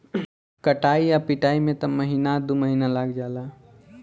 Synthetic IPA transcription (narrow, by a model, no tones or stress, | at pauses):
kəʈaːijapiʈaːimẽt̪ɐməɦiːnad̪uməɦinalaɡd͡ʒaːla